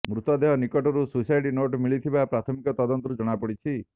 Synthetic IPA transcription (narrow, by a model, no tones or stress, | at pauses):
mɾut̪ɔd̪eɦɔnikɔʈɔɾususajʈinoʈmiɭit̪ʰibapɾat̪ʰɔmikɔt̪ɔd̪ɔnt̪ɔɾud͡ʒɔɽ̃apɔɽit͡ʃʰi